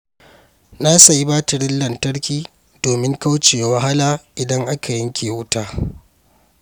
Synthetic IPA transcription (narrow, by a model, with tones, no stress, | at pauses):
na˦sa˨ji˦baː˦tɪ˨ɽɪ˦nlɐ˨ntɐ˦ɽkʲiː˦ | doː˨mɪ˦ŋka˦wt͡ʃeː˨jwɐ˦ɦa˦laː˦ʔɪ˨dɐ˦ŋʔa˦kʰa˨jɪ˦ŋkʲʰeː˨wʊ˦taː˦